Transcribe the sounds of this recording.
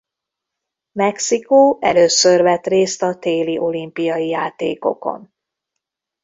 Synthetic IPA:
mɛksikoːʔɛ̰løːsørvɛt̪reːst̪ɒt̪eːliʔo̞limpijɒjijaːt̪eːko̞̰ko̞̰n

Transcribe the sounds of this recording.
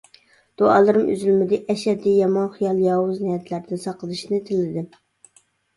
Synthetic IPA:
d̪̥oɑ̰ːlˠɨɾɨmy̰zylmɪd̪ɪʔɛʃɛd̪ijɑmɑnχijɑlˠjɑːwʊznijɛt̪ʰlæɾd̪ɪnsɑqəlˠɨʃnɪt̪ʰɪlːɪd̪ɪ

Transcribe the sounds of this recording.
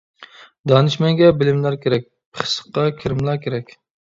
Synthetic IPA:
d̪ɑnɨʃmɛŋɡʲɛbɪlɪmlæɾkʲʰeɾɛk̚ʲ | pʰχʰə̥sə̥qːɑkʲʰɪɾɪmlˠɑɾkʲʰeɾɛkʲ

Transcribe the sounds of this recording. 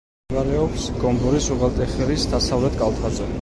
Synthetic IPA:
vaɾɛɔpsɡ̥ɔmbɔɾisuʁalt̪ʼɛχɛɾisd̪asavlɛt̪ʼkʼalˠt̪ʰad̪zʼɔ

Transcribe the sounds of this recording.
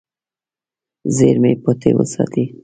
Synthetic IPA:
zeɾmepot̪ʰewə̰sɑt̪i

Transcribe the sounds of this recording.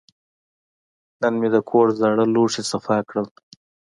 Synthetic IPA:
nənmed̪əkʰoɾzaɽəloʂesafɑkɽəl

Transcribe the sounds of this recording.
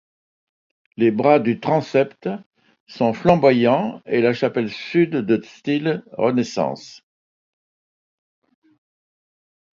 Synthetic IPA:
lebʁad̪yt̪χɑ̃sɛpt̪ | sɔ̃flɑ̃bwajɑ̃elaʃapɛlsyd̪ːəst̪ilʁənesɑ̰̃ːs

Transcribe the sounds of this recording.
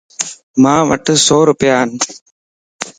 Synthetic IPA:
maːʋɐ̰ʈːɯsoːɾʊpjaːn

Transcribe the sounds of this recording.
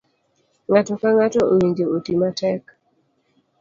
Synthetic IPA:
ŋatɔkaŋatɔʔowiɲd͡ʒeotimatɛk

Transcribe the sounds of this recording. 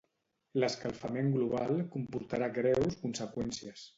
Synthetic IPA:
ləskalˠfameŋɡluβ̞alˠkumpuɾt̪aɾaɡɾɛwskunsəkwɛnsiəs

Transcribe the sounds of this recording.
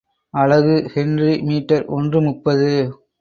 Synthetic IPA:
ɐlɐɣɯhɪndrimiːʈːɐɾʔɔndrɯmʊpːɐðɯ

